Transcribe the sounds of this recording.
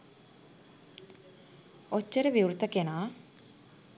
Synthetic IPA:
ot͡ʃːəɾəʋiuɾut̪əkenaː

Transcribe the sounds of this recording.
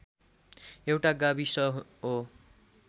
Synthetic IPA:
ewʈaɡabisʌɦo

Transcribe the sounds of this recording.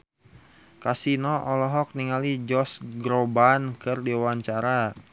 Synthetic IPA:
kasinɔʔɔlɔɦɔk̚niŋalid͡ʒɔsɡɾobankɨrdiwaɲt͡ʃaɾa

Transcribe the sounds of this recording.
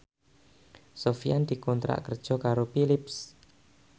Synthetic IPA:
sofiand̪̥i̤kɔnt̪ɾa̰ʔkərd̥ʒ̥ɔ̤kaɾopilips

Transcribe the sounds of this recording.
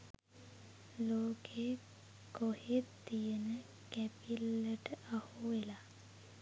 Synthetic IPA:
loːke | kohet̪ːijənə | kæpilːəʈəʔahuʋela

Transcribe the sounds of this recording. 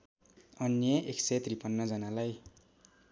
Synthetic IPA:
ʌnjʌʔekset̪ripʌnːʌd͡zʌnalaj

